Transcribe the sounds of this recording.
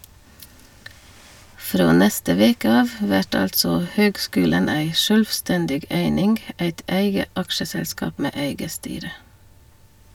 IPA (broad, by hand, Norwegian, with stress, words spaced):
ˈfɾoː ˈnɛstə ˈʋeːkə ˈɑːʋ ˈʋæʈ ˈɑltsɔ ˈhøːɡˌskʉːlən ˈæɪ ˈʃœlʋˌstɛndɪɡ ˈeɪnɪŋɡ ˈæɪt ˈæɪɡə ˈʔɑkʃəˌsɛlˌskɑːp ˈmeː ˈeɪɡə ˈstyːɾə